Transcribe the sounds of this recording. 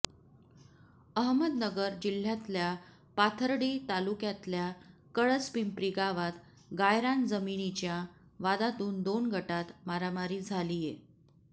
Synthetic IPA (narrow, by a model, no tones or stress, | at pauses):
əɦməd̪nəɡəɾd͡ʑil̤ːjat̪lja | pat̪ʰəɾɽiːt̪alukjat̪ljakəɭət͡spimpɾiɡaʋat̪ | ɡajɾand͡zəminit͡ɕja | ʋad̪at̪uːnd̪onɡʱəʈat̪maɾamaɾiːd͡zʱalije